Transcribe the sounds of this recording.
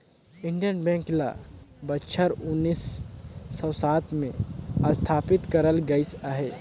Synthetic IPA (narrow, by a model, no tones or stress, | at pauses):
ɪ̃ɳɖijənbɛ̃ːŋkla̰bətːʃʰəɾʊnːiːsː | ɔsaːt̪ʰmḛ̃əst̪ʰaːpɪt̪kəɾəlɡəɪsaɦe